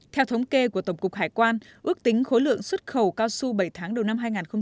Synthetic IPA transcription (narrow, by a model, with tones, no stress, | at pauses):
t̪ʰɛ˧wt̪ʰə˨˦wŋ͡mke˧ku˧˩ət̪ə˧˩wŋ͡mkʊ˨˩k̚haː˧˩jkwaː˧nʔɨ˦˥ək̚t̪ï˨˦ŋ̟xo˨˦lɨ̰˧˨əŋswə˦˥t̚xə˧˩wkaː˧wsu˧ɓə˧˩jt̪ʰaː˨˦ŋɗə˨˩wna˧mɦaː˧jŋaː˨˩nxə˧ŋ͡m